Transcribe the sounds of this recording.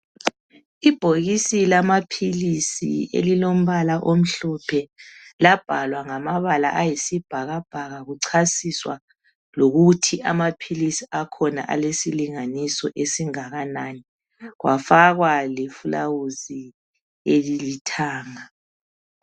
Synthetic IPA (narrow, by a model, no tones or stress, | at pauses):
ib̥ʱoɣisilamapʰilisḭḛlilom̩βalaʔom̩ɬɔpʰɛlab̥ʱalwaŋamaβala̰ʔajisib̥ʱaɣab̥ʱaɣaɣuǀʰasiswa̰ | loɣutʰiamapʰilisiakʰɔna̰ʔa̰lesiliŋanisɔ̰ʔesiŋaɣanani | ɣwʔafaɣwalefulawuzi | elilitʰaːŋa